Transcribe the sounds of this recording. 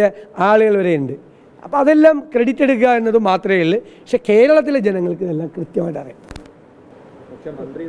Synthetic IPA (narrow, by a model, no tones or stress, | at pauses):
ɐaːɭuɣɐɭʋɐɾeːuɳɖɨ | ɐ̰pːoːɐðe̞lːaːmkreɽitːe̞ɽuk̬ːaenːɐðumaːt̪rɐjiɭːɨppɐkʂe̞ke̞ːɾɐɭɐt̪̬ːiled͡ʑenɐŋːɐɭkɨɐðelːaːmkrɨt̪jɐmaːjʈːɐrija